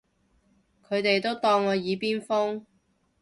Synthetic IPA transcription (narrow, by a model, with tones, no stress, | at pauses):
kʰɵ˨˧ɥt̪e˨jt̪o˥wt̪ɔː˧ŋɔː˨˧jiː˨˧piː˥nfʊ˥ŋ